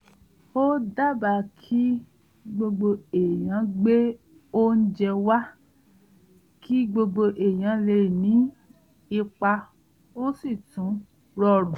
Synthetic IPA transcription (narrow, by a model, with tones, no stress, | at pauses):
o˦da˦˨ba˨kʰi˦ | ɡ͡bo˧ɡ͡bo˧e˨j̃ã˨˦ɡ͡be˦ | o˦n̩˦d͡ʒɛ˧wa˦ | kʰi˦ɡ͡bo˧ɡ͡bo˧ʔe˨j̃ã˨˦le˧˨nĩ˨˦ | i˧k͡pa˧ | o˦si˦˨tũ˨˦ | ɾɔ˦˨ɾũ˨